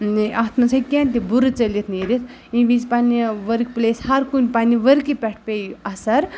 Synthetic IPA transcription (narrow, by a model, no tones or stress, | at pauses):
ʔat̪ʰmɐt͡sʰɐjkʲẽnt̪ibuɾɨt͡səlit̪ʰneɾit̪ʰ | ĩʋizpaniʋəɾkplesɦɐɾkunʲpaniʋəɾkipʲɛʈʰpejɐsɐɾ